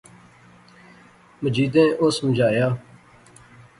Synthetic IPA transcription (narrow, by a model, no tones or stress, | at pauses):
məd͡ʒiːd̪ẽːʔoːsməd͡ʒaːjaː